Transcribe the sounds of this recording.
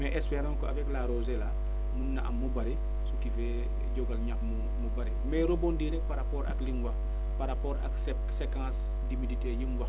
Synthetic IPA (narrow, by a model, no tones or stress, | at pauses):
mɛʔɛspɛɾãːnkɔɐfɛklaɾozela | munːaʔɐ̰mːubɐɾi | sukifɛ | ɟɔɡɐlɲapmu | mubɐɾimɛɾobondiɾɛk̚paɾapɔːɾɐ̰kliŋɡwɐ | paɾapɔːɾa̰ks | sekãːs | dimiditejiŋɡwɐ